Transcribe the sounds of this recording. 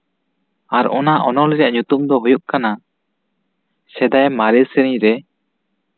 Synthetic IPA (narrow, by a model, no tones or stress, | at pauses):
aɾɔnaʔɔnɔlɛd͡ʒaʔɲut̪umd̪ɔɦujuʔkana | sɛd̪ajmaɾɛɾsɛniɾɛ